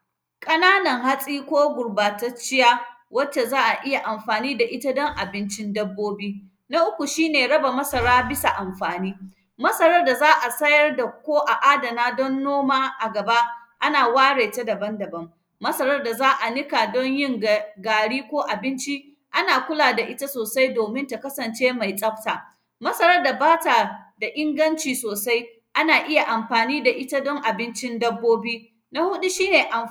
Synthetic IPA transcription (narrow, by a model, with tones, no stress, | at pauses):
kʼɐ˦naː˦nɐ˨ŋha˦sʼiː˦kʷoː˦ɡʷʊ˨ɽbaː˨tɐ˦t͡ʃɪ˦jaː˦wɐ˦t͡ʃːe˨zaː˦ʔa˨ʔɪ˦ja˨ʔa˨mɸaː˨niː˦da˨ʔɪ˦ta˦dɔ˦ŋʔa˨bɪ˦nt͡ʃɪ˦ndɐ˦bːoː˦biː˦ | na˦ʔʊ˦kʷu˨ʃiː˦neː˨ɽɐ˦ba˨mɐ˦sɐ˨ɾaː˦bɪ˦sa˨ʔa˨mɸaː˨niː˦ | mɐ˦sɐ˦ɾɐ˦rda˨zaː˦ʔa˨sɐ˦jɐ˦rda˨kʷoː˦ʔa˨ʔaː˦dɐ˨naː˦dɔ˦nːoː˦maː˦ʔa˨ɡɐ˨ba˦ʔa˦naː˨waː˦ɽeː˨ta˦dɐ˨bɐ˦ndɐ˨bɐ˦mː | ɐ˦sɐ˦ɾɐ˦rda˨zaː˦ʔa˨nɪ˦ka˨dɔ˦ɲjɪ˦ŋɡaː˨ɽiː˦kʷoː˦ʔa˨bɪ˦nt͡ʃi˦ | ʔa˦naː˨kʷʊ˦laː˨da˨ʔɪ˦ta˦soː˨sa˦jdoː˨mɪ˦nta˨kɐ˦sɐ˨nt͡ʃeː˦ma˨jsʼɐ˦ɸ̚taː˨ | mɐ˦sɐ˦ɾɐ˦rda˨baː˦ta˨da˨ʔɪ˦ŋɡɐ˦nt͡ʃiː˨soː˨sa˦j | ʔa˦naː˨ʔɪ˦ja˨ʔa˨mɸaː˨niː˦da˨ʔɪ˦ta˦dɔ˦ŋʔa˨bɪ˦nt͡ʃɪ˦ndɐ˦bːoː˦biː˦ | na˦hʊ˦ɗu˦ʃiː˦neː˨ʔa˨m